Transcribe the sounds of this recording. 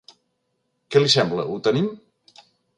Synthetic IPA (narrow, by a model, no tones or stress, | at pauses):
kɛlisɛmblə̰ut̪ənim